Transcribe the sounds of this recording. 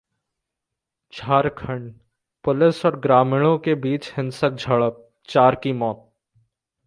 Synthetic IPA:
t͡ʃʰaːɾkʰə̃ɳɖ | pʊlɪsɔːɾɡɾaːmɪɽ̃õkebiːt͡ʃhɪ̃nsək̚d͡ʒʱəɭəp̚ | t͡ʃaːɾkimɔːt̪̚

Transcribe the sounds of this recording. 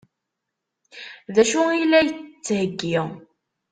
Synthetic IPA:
ðæʃʊilæjət͡sːt͡sːhəɡːɪʁ

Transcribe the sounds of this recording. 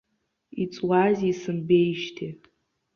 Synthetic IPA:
it͡sʼwazʲisɨnbe̞jʃtʰi

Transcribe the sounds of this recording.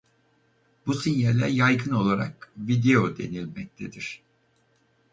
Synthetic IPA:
businjelʲɛjajɡɯno̞lˠaɾa̰kvid̪eo̞d̪e̞̰nilʲmɛc̚t̪ʰed̪iɾ̝̥

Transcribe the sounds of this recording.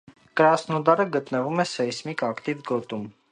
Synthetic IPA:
kəɾɑsnɔd̪ɑɾəɡət̪nəvumɛsɛjsmikɑkt̪ivɡɔt̪um

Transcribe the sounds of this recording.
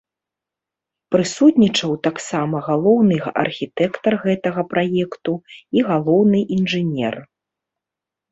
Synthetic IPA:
pɾɨsut̪nʲit͡ʂɐwt̪aksamɐɣalˠɔwnɨʔɐ̰rxʲit̪ɛkt̪ɐrɣɛt̪ɐɣɐpɾajɛkt̪uiɣalˠɔwnɨʔinʐɨnʲɛ̰r

